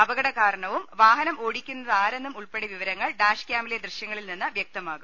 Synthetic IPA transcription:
ɐbɐɣɐɽɐkaːɾɐɳɐʋumʋaːɦɐnɐmoːɽikʲːunːɐðɨaːɾe̞nːumuɭpeɽiʋiʋɐɾɐŋːɐɭɖaːʂkʲjaːmɐled̪rɨɕjɐŋːɐɭilninːɨʋjɐk̚t̪ɐmaːɣum

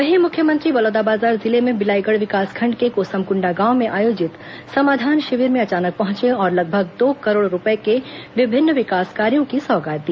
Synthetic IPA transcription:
ʋɐɦimʊkʰjəmə̃nt̪ɾibɐloːd̪abaːzaːɾzɪlemẽbɪlaːɪɡəɽʋɪkaːskʰɐ̃ɳɖkekoːsəmkʊ̃ɳɖaɡãːʊmẽʔaːjoːd͡ʒɪt̪ | sɐmaːd̪ʱaːnʃɪʋiːɾmẽɐt͡ʃaːnək̚pɐɦʊ̃t͡ʃeɔːɾlɐɡ̚bʱəɡ̚d̪oːkɐɾoːɽɾʊpekeʋɪbʱɪnːʋɪkaːskaːɾijõkisɔːɡaːt̪̚d̪iː

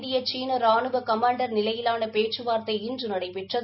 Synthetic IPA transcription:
d̪ɪjɐt͡ʃiːnɐɾaːnɯʋɐkɐmaːɳɖɐɾnɪlɐjɪlaːnɐpeːʈt͡ʃːɯʋaːɾt̪ɐɪɪndrɯnɐɽɐɪpɛʈrɐ

